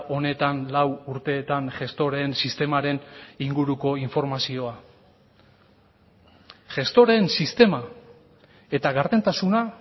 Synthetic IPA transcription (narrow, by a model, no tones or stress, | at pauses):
ʔo̞ne̞t̪anlawuɾt̪e̞ːt̪anʝe̞st̪o̞ɾe̞ːnsist̪e̞maɾe̞niŋɡuɾuko̞iɱfo̞ɾmasio̞a | ʝe̞st̪o̞ɾe̞nsist̪e̞ma | e̞t̪aɣaɾðe̞nt̪asuna